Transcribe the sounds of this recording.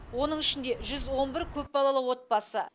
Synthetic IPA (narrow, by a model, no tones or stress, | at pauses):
wo̞nəɴɪʃɪnd̪e̞ʒʏzwo̞nbɪɾkʲʰɵpbɑlˠɑlˠəwo̞t̪̚bɑsə